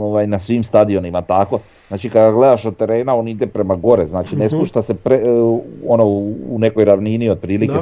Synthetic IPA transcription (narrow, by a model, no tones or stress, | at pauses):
oʋajnasʋiːmst̪ad̪io̞nimat̪ako̞ | znaːt͡ʃikad̪aɡle̞d̪aʃot̪ːe̞ɾe̞ːnao̞nid̪e̞pɾe̞maɡo̞ɾeznaːt͡ʃine̞spuʃt̪ase̞pɾeonoune̞ko̞jɾaʋniːnio̞d̪̚pɾiːlike̞